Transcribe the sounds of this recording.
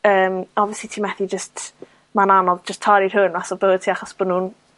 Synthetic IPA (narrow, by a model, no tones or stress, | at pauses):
əːmɔviəslitʰiːmɛθid͡ʒəst | mananɔvd͡ʒəstʰːɔɾir̥hʊnmasɔbəːd̚tʰiːaχɔsb̥ɔnuːn